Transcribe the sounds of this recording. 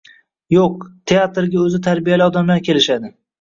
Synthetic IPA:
joq̚t̪ʰeat̪ɾɡʲaɵzɪt̪ʰaɾbijalɪɒd̪amlaɾkʲʰe̞lɪʃad̪ɪ

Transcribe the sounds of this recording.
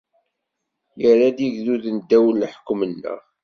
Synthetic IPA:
jəɾad̪iʝðuðnd̪ːæwəlːħə̥kːmənːə̰ʁ

